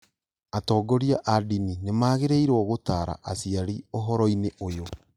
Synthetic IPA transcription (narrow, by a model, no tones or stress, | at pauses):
atɔːɡɔɾiaʔadininemaːɣeɾeiɾwɔɣotaːɾa̰ʔasiaɾioɦɔɾɔineʔojo